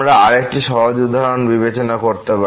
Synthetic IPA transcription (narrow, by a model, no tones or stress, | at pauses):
ɾaaɾek̚ʈiʃɔɦod͡ʑud̪ʱːaɾonbibet͡ɕonakoɾt̪epa